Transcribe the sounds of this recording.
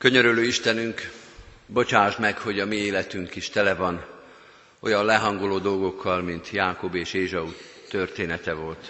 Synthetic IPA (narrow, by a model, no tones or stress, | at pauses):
kø̞ɲøɾyløːiʃt̪ɛnyŋk | bo̞t͡ʃaːʒmɛkho̞ɟɒmieːlɛt̪yŋkiʃt̪ɛlɛvɒn | o̞̰jɒnlɛɦɒŋɡoloːd̪o̞lɡo̞kʰːɒlmint̪jaːko̞beːʃeːʒɒu | t̪ørt̪eːnɛt̪ɛvo̞lt̪